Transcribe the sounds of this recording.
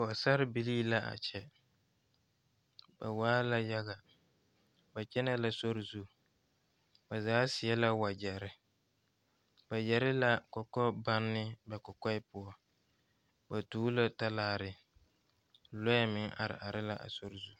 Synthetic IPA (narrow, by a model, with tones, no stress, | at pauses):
ka˨ɔ˨sa˦ɾɪ˦bi˨liː˦la˦a̰˨t͡ʃɛ˨ | ba̰˨waː˦la˦ja˦ɣa˨ | ba˨t͡ʃɛ˦nɛ˦la˨so˦ɾzu˦ | ba˨zaː˨˦sɪ˨ɛ˦la˦wa˨d͡ʒɛ˨ɾɪ˦ | ba˨jɛ˨ɾɪ˦la˦kɔ˨kɔ˦ba˦nːɪ˦bɛ˨kɔ˨kɔ˦ɪ˦pʊ˦ɔ˦ | ba˨tuː˦la˦ta˦laː˦˨ɾɪ˨ | lɔ˦ɛ˦mɪ˦ŋa̰˨ɾɪ̰˨ʔa˨ɾɪ˦la˦ʔa̰˨so˦ɾɪ˨zu˦